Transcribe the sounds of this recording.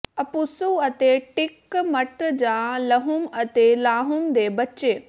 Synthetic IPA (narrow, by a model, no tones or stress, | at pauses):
ɐpusuɐt̪eʈɪkmɐʈd͡ʑãːlɐɦʊmɐt̪elaːɦʊmd̪eːbɐt͡ɕeː